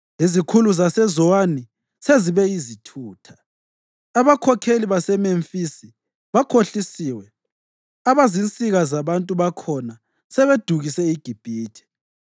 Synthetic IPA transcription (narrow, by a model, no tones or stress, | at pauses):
izikʰuluzasɛzɔwani | seziβɛizitʰuːtʰḁ | aβakʰɔkʰeliβasɛmeɱfisi | βakʰoɬisiwɛ | aβazint͡sʼiɣazaβantʼuβakʰɔna | sɛβed̥ʱuɣisɛiɡ̥ʱib̥ʱiːtʰi̥